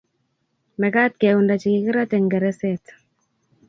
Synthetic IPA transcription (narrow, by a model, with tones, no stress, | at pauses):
mɛ˨ka˦t̪̚keundat͡ʃi˨kikɪ˦ɾa˦tɛ˨ŋɡɛ˨ɾɛ˦sɛt